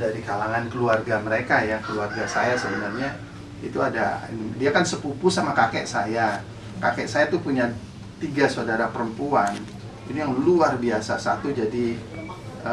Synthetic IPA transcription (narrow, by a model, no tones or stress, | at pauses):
daɾikalaŋankəluarɡaməɾekajakəluarɡasajasəbənarɲa | it̪uada̰ḭndiakansəpupusamakakɛʔsaja | kakɛʔsajat̪upuɲa | t̪iɡasodaɾapəɾəmpuan | inijaŋluarbiasasat̪ud͡ʒadi | ə